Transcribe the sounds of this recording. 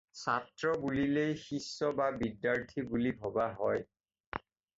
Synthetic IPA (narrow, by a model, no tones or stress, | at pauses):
satɹɔbulilejxisːɔbabidːaɹtʰibulibʱɔbaɦɔj